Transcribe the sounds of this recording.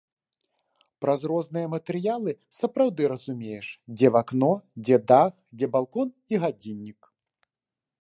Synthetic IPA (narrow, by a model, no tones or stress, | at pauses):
pɾazɾɔznɨjɐmɐt̪ɛɾɨjalˠɨsɐpɾawd̪ɨɾɐzumʲejɛʂd͡zʲɛvaknɔd͡zʲɛd̪axd͡zʲɛbalˠkɔn | iɣad͡zʲinʲːik